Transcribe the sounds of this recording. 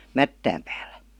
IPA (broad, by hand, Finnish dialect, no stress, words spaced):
mætːæːm pæ̥ːl̥ːæ̥